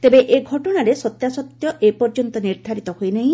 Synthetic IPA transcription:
t̪ebeʔeɡʱɔʈɔɽ̃aɾesɔt̪jasɔt̪jɔʔepɔɾd͡ʒɔnt̪ɔniɾd̪ʱaɾit̪ɔhojnaɦĩ

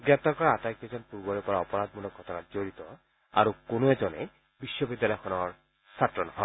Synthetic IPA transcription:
ɡɹɛp̚t̪aɹkɔɹaatajk̚ezɔnpuɹbɔɹepɔɹaɔpɔɹad̪̚munɔkʰːɔt̪ʰɔnazoɹit̪ɔ | a̰ɹukonoɛzɔne | biʃːɔbid̪ːalɔjɔkʰɔnɔɹ | satɹɔnɔɦɔ̰

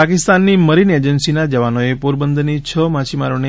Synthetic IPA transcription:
akɪst̪anːiməɾined͡ʒənsinad͡ʒəʋanoepoɾbənd̪ʱnit͡ʃʰəmat͡ʃimaɾone

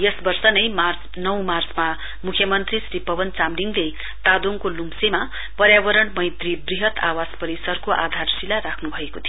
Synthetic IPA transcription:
jʌsbʌrsʌnʌjmart͡s | nʌw̃mart͡sma | mukʰjʌmʌnt̪risripʌbʌnt͡samriŋɡle | t̪ad̪oŋkolumsema | pʌɾjabʌɾʌɽmʌjt̪ribriɦʌt̪awaspʌɾisʌrkoʔa̰d̪ʱarsilaɾakʰnubʱʌekot̪ʰijo

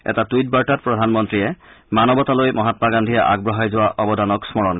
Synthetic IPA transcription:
ɛ̰tatujt̚baɹtat̚pɹɔdʱanmɔntɹiɛmanɔbɔtalojmʔɔɦatmaɡandʱijaʔa̰ɡ̚bɹɔɦajzʊwaʔɔbɔdanɔksmɔɹɔn

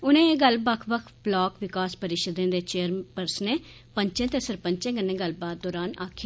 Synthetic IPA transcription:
ʊnẽːɡəlbəkʰbəkʰblaːkʋɪkaːspəɾɪʃəd̪ẽːd̪eːt͡ʃeːəɾpəɾsneː | pəɲt͡ʃẽːt̪eːsəɾpəɲt͡ʃẽːɡənːẽːɡəlbaːt̪̚d̪ɔːɾaːnaːkʰː

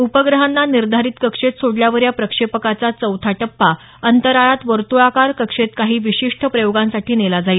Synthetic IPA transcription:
upəɡɾəɦanːaniɾd̪ʱaɾiːt̪kəkʂet̪soɽljaʋəɾjapɾəkʂepəkat͡sat͡səwt̪ʰaʈəpːa | ənt̪əɾaɾat̪ʋəɾt̪uakaɾkəkʂet̪kaɦiːʋiɕiʂʈʰəpɾəjoɡãnsaʈʰiːnelad͡zai

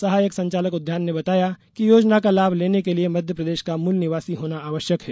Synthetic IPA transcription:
sɐɦaːjəksɐ̃ɲt͡ʃaːləkʊd̪ʱjaːnːebɐt̪aːjakijoːd͡ʒnakalaːbʱleːnekeliemɐd̪ʱjəpɾɐd̪eːʃkamulnɪʋaːsiɦoːnaaːʋəʃjəkɦɛː

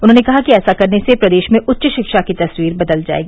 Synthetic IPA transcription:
ʊn̤ɦõːnekɐɦakiɛːsakɐɾnesepɾɐd̪eːʃmẽʔʊtːʃʃɪkʃakit̪ɐswiːɾbɐd̪əld͡ʒa̰ːḛːɡiː

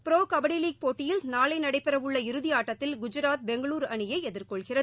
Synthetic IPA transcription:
pɪɾoːkɐbɐɽiliːk̚poːʈːɪjɪlnaːlɐɪnɐɽɐɪpːɪɾɐʋɯɭːɐɪɾɯðɪjaːʈːɐt̪ːɪlɡʊd͡ʒɪɾaːt̪̚bɛŋɡɐɭuːɾɐɳɪjɐɪɛðɪɾkɔɭɣɪrɐðɯ

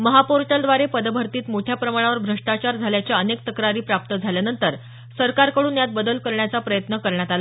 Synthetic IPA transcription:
məɦapoɾʈəld̪ʋaɾepəd̪bʱəɾt̪iːt̪moʈʰjapɾəmaɽ̃aʋəɾbʱɾəʂʈat͡ɕaɾd͡zʱaljat͡ɕjaənek̚t̪əkɾaɾiːpɾap̚t̪əd͡zʱaljanənt̪əɾ | səɾkaɾkəɽuːnjat̪̚bəd̪əlkəɾɳjat͡sapɾəjət̪nəkəɾɳjat̪ala

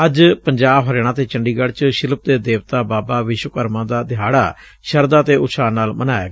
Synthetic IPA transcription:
əd͡ʒpəɲd͡ʒaːbɦəɾeːɳ̃ãːt̪eːt͡ʃəɳɖiːɡəɽt͡ʃʃɪləp̚d̪eːd̪eːʋt̪aːbaːbaːʋɪʃwəkəɾmãːd̪aːd̪ɪɦaːɽa̰ː | ʃəɾd̪aːt̪eːʊʃaːnaːlmənaːa̰ːɡa

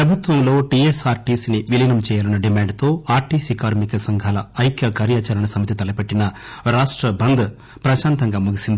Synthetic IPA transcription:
pɾɐbʱut̪ʋɐmlo̞ːʈieːsaːɾʈiːsiniʋilinɐmt͡ʃɛːjaːlɐnːɐɖimaːɳɖt̪o̞ːaːɾʈiːsiːkaːɾmikɐsɐŋɡʱaːlɐɐjkjɐkaːɾjaːt͡ʃɐɾɐɳɐsɐmɐt̪̬it̪ɐlɐpeʈːinɐɾaːʂʈɾɐbʱɐnd̪ɐ | pɾɐʃaːnt̪ɐŋɡaːmuɡisind̪i

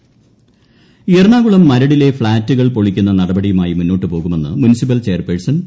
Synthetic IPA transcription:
ijɐrɳaːɣuɭɐmːɐɾɐɽile̞fɭaːtːuɣɐɭpo̞ɭikʲːunːɐnɐɽɐbɐɽijumaːjimunːo̞ːʈːɨpo̞ːɣume̞nːɨ̰munisip̬ːɐlt͡ɕe̞ːrpeɻsɐn

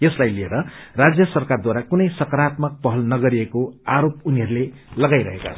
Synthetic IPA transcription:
jeslajlieɾʌrad͡zjʌsʌrkard̪waɾakunʌjsʌkʌɾat̪̚mʌk̚pʌɦʌlnʌɡʌɾiekoaɾop̚uniɦʌɾule | lʌɡajɾʌɦeka̰t͡sʰʌ

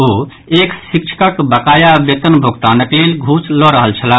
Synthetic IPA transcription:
oː | eːksik̚t͡ʃʰi̥kəkbəkaːjabet̪ənbʱokt̪anɐklelɡʱuːslɔɾəɦəlt͡ʃʰɐlaː

